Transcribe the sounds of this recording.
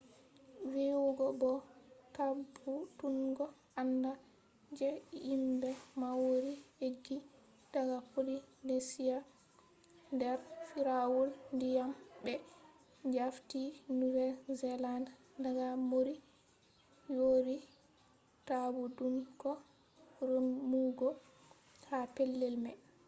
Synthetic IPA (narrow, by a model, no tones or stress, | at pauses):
wewoɡɔbɔtabudunɡɔ | anda | d͡ʒɛimbɛmawɾiheɡːi | d̥aɡapolinesija | ndɛɾfiɾawulndijambɛ | d͡ʒaftinuvɛlzɛlan | daɡamoɾi | joɾi | tabudumkɔ | ɾumːuɡɔ | hapelːɛlmɛ